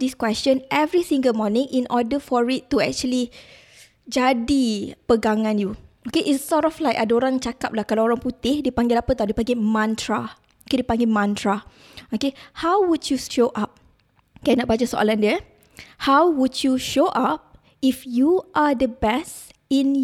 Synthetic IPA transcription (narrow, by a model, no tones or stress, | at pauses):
diskwɛst͡ʃə̃nʔɛvɹisĩŋɡəlmɔnĩŋʔĩnʔɔdəfɔɹit̪ːuɛk̚t͡ʃuəli | d͡ʒadipəɡaŋãnjuokeʔisɔtɔflajkadaoɾãŋt͡ʃakap̚lahkalaoɾaŋput̪ɪhdipãŋɡɪlapət̪adipãŋɡɪmãnt̪ɹa | okedipãŋɡɪlmãnt̪ɹa | okehawwud͡ʒjuʃoʔap̚ | kɛnɔʔ̚bat͡ʃasoʔa̰landiə | hawwud͡ʒuʃoʔap̚ | ifjuʔadəbɛst | ĩn